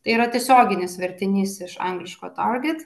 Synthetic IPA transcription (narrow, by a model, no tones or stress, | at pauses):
t̪ɐɪiɾɐt̪ʲiɛsʲoːɡʲɪnʲɪsʋʲɛɾʲt̪ʲɪnʲiːsɪʃɑ̰ŋɡlʲɪʃkoːt̪ɑɾɡʲɛt̪